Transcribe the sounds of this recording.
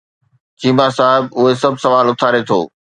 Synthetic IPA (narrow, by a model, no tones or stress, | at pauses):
t͡ɕiːmasaːɦɪbʊɦesɐbʱsɐʋaːlʊt̪ʰaːɾet̪ʰo̰ː